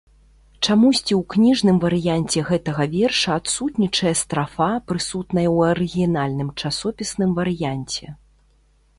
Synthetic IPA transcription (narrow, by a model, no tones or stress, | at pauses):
t͡ʂamusʲt͡sʲiwknʲiʐnɨmvɐɾɨjanʲt͡sʲɛɣɛt̪ɐɣɐvʲɛrʂɐat̪sut̪nʲit͡ʂɐjɐst̪ɾafapɾɨsut̪nɐjɐwɐɾɨɣʲinalʲnɨmt͡ʂasɔpʲisnɨmvɐɾɨjanʲt͡sʲɛ